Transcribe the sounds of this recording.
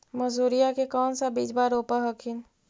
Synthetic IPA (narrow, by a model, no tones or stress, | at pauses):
mɐzuːɾijakekɔːnsabiːd͡ʒbaːɾoːpaɦɐkʰin